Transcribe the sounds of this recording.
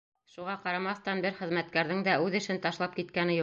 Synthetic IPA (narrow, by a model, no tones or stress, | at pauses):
ʃuʁɑqɑɾɑmɑθt̪ɑnbɘɾχɘ̆ðmæt̪̚kæɾðɘŋd̪æʔʉðɘ̆ʃɘnt̪ɑʃlˠɑp̚kit̪̚kænɘju